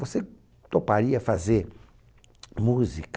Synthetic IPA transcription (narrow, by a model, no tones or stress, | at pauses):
vose | t̪opaɾiɐfazeɾ | muzik